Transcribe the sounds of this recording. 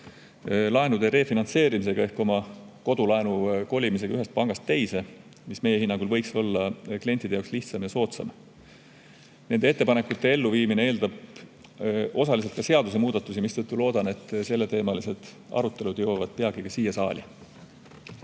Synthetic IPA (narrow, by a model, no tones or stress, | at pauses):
lɑenud̪̥e̞ɾe̞ːfinɑnt̪se̞ːɾimis̬e̞ɡ̥ɑe̞hko̞mɑko̞d̪̥ulɑenuko̞lʲimis̬e̞ɡ̥ɑyɦe̞st̪̚pɑŋɡ̥ɑst̪ːe̞jse̞ | misme̞jehinːɑŋɡ̥ulvɤ̞jkso̞lːɑklie̞nt̪ːˑid̪ejɑoksliht̪sɑmjɑso̞ːt̪sɑ̰m | ne̞nd̪ee̞t̪ːe̞pɑne̞kːˑut̪ːe̞e̞lːuviːminee̞ːld̪ɑb̥ | o̞sɑlis̬e̞lt̪kɑse̞ɑd̪̥usemuːd̪̥ɑt̪ːˑusimist̪ɤt̪ːulo̞ːd̪̥ɑne̞t̪ːˑse̞lːe̞t̪e̞ːmɑlise̞d̪̥ | ɑ̰ɾut̪ˑːe̞lud̪̥jo̞wɑvɑd̪̥̚pe̞ɑɡ̥ikɑsiːjɑsɑ̰ːlʲi